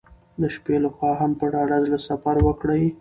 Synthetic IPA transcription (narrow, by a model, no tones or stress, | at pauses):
d̪əʃpelaxwɑɦampəɽɑɽazlasafaɾwəkɽaj